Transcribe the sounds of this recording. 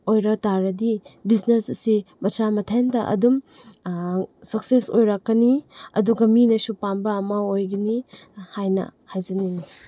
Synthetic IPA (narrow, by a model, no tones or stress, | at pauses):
ojɾɐtaɾɐdibiznesɐsimɐt͡ʃamɐtʰandɐʔɐ̰dum | sɐk̚sesojɾakːɐniɐ̰duɡɐminɐsupanbɐːmaojɡinihajnɐ̰hajzɐnini